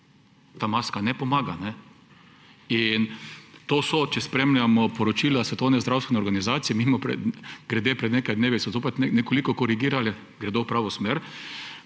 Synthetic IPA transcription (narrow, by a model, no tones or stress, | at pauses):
t̪aːmaskanɛpɔmaːɡanɛ | int̪oːsɔt͡ʃɛspɾemlʲjamɔpɔɾɔt͡ʃiːlasʋɛt̪ownɛzd̪ɾawst̪ʋɛnɛɔɾɡanizaːt̪sijɛmimɔpɾɛ̰ɡ̥ɾɛd̪epɾɛd̪neːkajd̪neːʋisɔzoːpɛt͡ʃ̪nɛnɛkɔlikɔkɔɾiɡiːɾalɛ | ɡɾɛd̪owpɾaːʋɔsmeːɾ